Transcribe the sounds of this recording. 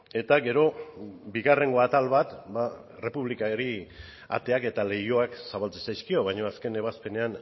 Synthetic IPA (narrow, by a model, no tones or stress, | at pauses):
e̞t̪aɡe̞ɾo̞biɣare̞ŋɡo̞at̪alβat̪ba | re̞puβlikaɾi | a̰t̪e̞ake̞t̪ale̞jo̞aksaβalt͡sesajskio̞βajɲo̞aske̞ne̞β̞aspe̞ne̞an